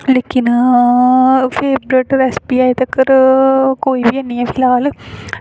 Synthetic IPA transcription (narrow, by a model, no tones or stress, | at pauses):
lekːinɨ | feːbɾeːʈːɐɾespiaːjt̪ɐkːɐɾɨkojʋijɐnːijɐfilaːlɨ